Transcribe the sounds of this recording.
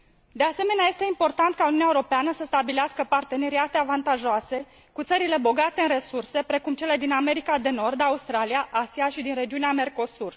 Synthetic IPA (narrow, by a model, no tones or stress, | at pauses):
d̪e̞ase̞me̞neaje̞st̪e̞impo̞rt̪ant̪̚kauniunʲaeuɾopeanəsəst̪abileaskəpart̪e̞ne̞ɾiat̪e̞avant̪aʒoase̞ | kut̪səɾile̞bo̞ɡat̪e̞ɨnre̞surse̞pɾe̞kumt͡ʃele̞d̪iname̞ɾikad̪e̞no̞rd̪aust̪ɾaliaʔasiaʃid̪inre̞d͡ʒiuneame̞rko̞sur